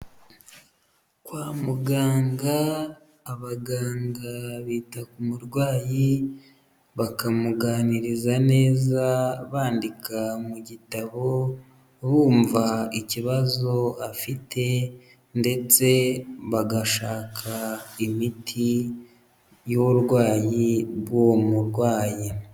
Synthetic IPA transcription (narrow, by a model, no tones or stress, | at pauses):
kwaːmuɡaːŋɡaː | βaɡaːŋɡaβiːtakumuɾɡwaːji | βakamuɡaːniɾizane̞ːzaβaːndikamuɟitaβo̞ | βuːɱvaiciβazo̞afitʰe̞ | nde̞t͡se̞βaɡaʃaːkʰaimitʰi | jouɾɡwaːjiβwomuɾɡwaːji